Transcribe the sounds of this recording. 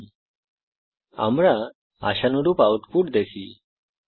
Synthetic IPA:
a̰mɽa | a̰ɕanuɽupaut̪puːʈd̪esḭ

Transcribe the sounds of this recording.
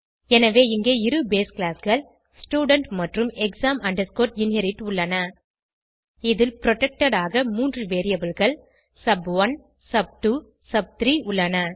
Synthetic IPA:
ɛnɐʋeːɪŋɡeːɪɾɯbeːsklaːsɣɐɭ | sʈjuːɽɐɳʈmɐʈrɯmɛksaːmʔɐɳɖɐɾskoːɾʈɪnhɛɾɪʈʊɭːɐnɐ | ɪðɪlpɾɔʈɛk̚ʈɐɽaːɣɐmuːndrɯʋeːɾɪjɐbɯlɣɐɭ | sɐbʋɐn | sɐb̚ʈuː | sɐb̚t̪ɾiːʊɭːɐnɐ

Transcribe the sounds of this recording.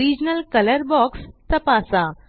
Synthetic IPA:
ɾid͡ʑnəlkələɾbɔkst̪əpasa

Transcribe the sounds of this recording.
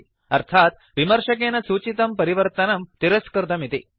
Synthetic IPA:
ɐɾt̪ʰat̪̚ | ʋimɐɾʂɐk̬enɐsuːt͡ɕit̪ɐmpɐɾiʋəɾt̪ɐnɐmt̪iɾɐskɐɾd̪ɐmit̪ḭ

